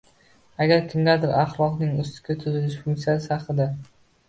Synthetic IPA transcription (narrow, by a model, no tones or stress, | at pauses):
aɡʲaɾkʲʰɪmɡʲad̪ɪɾaχlˠɒqnɪŋʊst̪ɪ̥kʲʰat̪ʰʊzɪlɪʃfʊŋkt̪ijasɪɑχɨd̪a